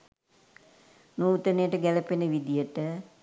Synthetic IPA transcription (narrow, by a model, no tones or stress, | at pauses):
nuːt̪ənəjəʈəɡæləpenəʋid̪ijəʈə